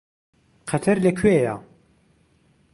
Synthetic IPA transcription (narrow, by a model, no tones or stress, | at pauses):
qʰɐt̪ʰɐɾlɐkʰweja